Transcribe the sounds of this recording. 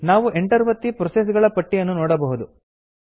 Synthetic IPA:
naːʋuʔeɳʈɐɾʋɐt̪ːipɾɔses̬ɡɐɭɐpɐʈːijɐnːunoːɽɐbɐɦud̪u

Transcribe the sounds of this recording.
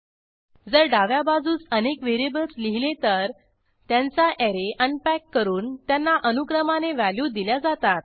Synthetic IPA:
d͡zəɾɖaʋjabad͡zuːt͡sənekʋeɾebəlt͡sliɦilet̪əɾ | t̪jant͡saʔeɾeʔənpækːəɾuːnt̪janːaʔənukɾəmaneʋæljuːd̪iljad͡zat̪at̪̚

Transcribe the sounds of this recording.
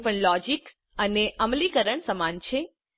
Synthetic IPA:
pəɳlɔd͡ʒik | əneʔəmlikəɾəɳsəmant͡ʃʰe

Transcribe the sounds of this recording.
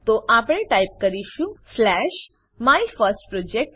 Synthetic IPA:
t̪oʔapɽ̃ẽʈajp̚kəɾiʃũslɛʃ | maifəɾsʈpɾod͡ʒek̚ʈ

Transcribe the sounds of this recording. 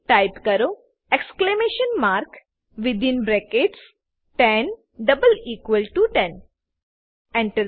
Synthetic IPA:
ʈaɪpkɐɾo | eksklemeːʃə̃nmaːɾk | ʋid̪ĩnbɾekeːʈs | ʈɛ̃n | ɖɐbəliːkʋəlʈuʈɛ̃n | ɛ̃ɳʈu

